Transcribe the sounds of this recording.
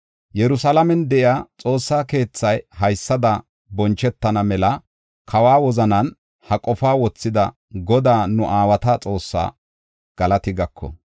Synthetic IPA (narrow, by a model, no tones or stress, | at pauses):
jɛɾʊsɐlɐmɛnd̪ɛʔɪaːt͡sʼo̞ːsːaːke̞ːt͡sːɐjhɐjsːɐd̪ɐ | bɔnt͡ʃɛt̪ːɐnɐmɛlɐ | kʰɐwaːwɔzɐnɐn | hɐkʼɔfaːwɔt͡sːɪd̪ɐ | ɡɔd̪aːnʊʔaːwɐt̪at͡sʼo̞ːsːa̰ː | ɡ̥ɐlɐt̪ɪɡɐkːɔ̰